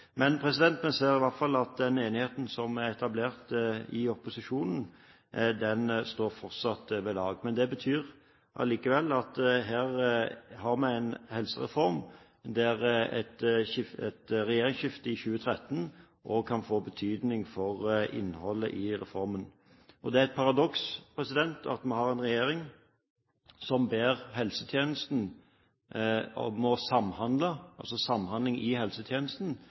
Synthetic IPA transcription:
mɛnpʰʁɛsɪd̪ɛnt̪mɛseːɾɪʋɑɾt̪fɑlːɑt̪̚d̪ɛneːnɪheːt̪n̩sɔmæɾɛt̪ɑbleːɾt̪ɪɔpʊsɪʃuːnən̩ | d̪ɛnst̪oːɾfɔɾt̪sɑt̪ʋeːlɑːɡmɛnd̪ɛbət̪ʰyːʁ | ʔɑ̰liːkəʋɛlːɑt̪ɦæːʁhɑɾmɛæɪnhɛlsə̰ʁɛ̰fɔɾm | d̪æʁɛt̪ɪfɛt̪ʁɛjeːɾɪŋsʃɪft̪əɪɕʉːət̪ʰɾɛt̪ːən | ʔɔkʰɑnfoːbət̪ʰyːd̪nɪŋfɔʁɪ̰nːhɔlːə̰ʔɪʁɛfɔɾmən | ʔɔd̪ɛæɾɛt̪̚pʰɑɾɑd̪ɔkspʰɾɛsɪd̪ɛnt̪ʰɑ̰t̪mɛhɑʁɛɪnʁɛjeːɾɪŋ | sɔmbeːʁɦɛlsə̥t̪ʰjeːnəst̪n̩ | ɔ̰mɔsɑmːhɑnd̪ləʔɑ̰lsɔsɑmːhɑnd̪lɪŋɪhɛlsət̪ʰjeːnəst̪n̩

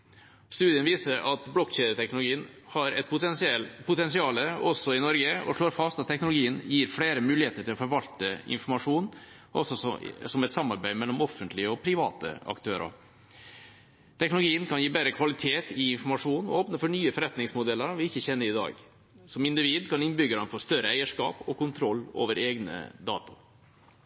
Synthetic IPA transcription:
st̪ʉːd̪ɪənʋiːsəɾʔɑt̪blɔkçeːd̪ət̪ʰɛknlʊɡiːənhɑɾɛ̰t̪̚pʰʊɛsɛlpʰʊt̪ɛnsɪɑːləɔsɔɪnɔɾɡəɔ̰ʂɭoːɾfɑst̪ɑt̪ʰːɛknʊlʊɡiːənjiːɾfɽeːɾəmʉːlɪheːt̪əʈʰɪlɔfɔɾʋɑlt̪əɪ̰nfɔɾmɑʂuːn | ʔɔ̰sɔsɔmɛt̪sɑmːɑɾbæɪmɛlːɔmɔfːənt̪lɪəɔpʰɾɪʋɑ̰ːt̪ə̰ɑ̰kt̪ʰøːɾʔɑ̰ɾ | t̪ʰɛknʊlʊɡiːənkʰɑnjiːbeːɾəkʰʋɑlɪt̪ʰeːt̪ɪɪnfɔɾmɑʂuːnɔ̰oːpnəfɔɳyːəfɔɾɛt̪nɪŋsmʊd̪ɛlːəɾʋɪɪçːəçɛnːəɾɪd̪ɑ̰ːɡ | sɔmɪnd̪ɪʋiːd̪kʰɑnɪnbʏɡəɾɑnfɔst̪œɾəæɪəʂkɑ̰ːpɔkʊnt̪ʰɾɔlːo̰ːʋəɾeːɡnə̰d̪ɑ̰ːt̪ʊ̥

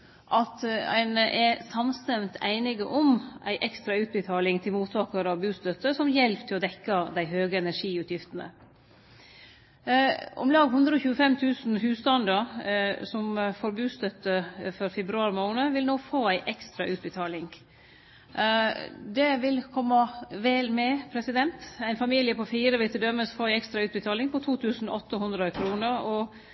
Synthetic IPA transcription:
ʔɑt̪æ̰ɪnəʔɛsɑmst̪ɛmt̪ʰæɪnɪɡəʔɔmʔæ̰ɪʔɛkst̪ɾɑʉːt̪̚bət̪ʰɑːlɪŋt̪ʰɪlmuːt̪ʰɑːkəɾɑʋbʉːst̪œt̪ːəsɔmjɛlpt̪ʰɪlɔd̪ɛkːɑd̪æɪɦøːɡəɛnæʂiːʉːt̪ʰjɪft̪ənə̰ | ʔɔ̰mlɑːɡhʉnd̪ɾəɔçʉːəfɛmt̪ʰʉːsn̩hʉːst̪ɑnd̪ɑɾsɔmfɔɾbʉːst̪œt̪əfɔɾfɛbɾʉɑːɾmoːnəʋɪlnoːfoːæɪʔɛkst̪ɾɑʔʉːt̪̚bət̪ʰɑːlɪŋ | d̪ɛʋɪlkʰɔmːɑʋɛːlmɛpʰɾɛsɪd̪ɛnt̪æɪnfɑmiːljəpʰɔfiːɾəʋɪlt̪əd̪œmːəsfoːæɪɛkst̪ɾɑʉːt̪̚bət̪ʰɑːlɪŋpɔt̪ʰuːt̪ʰʉːsn̩ɔt̪ːəhʊnd̪ɾəkʰɾuːnəɾɔ

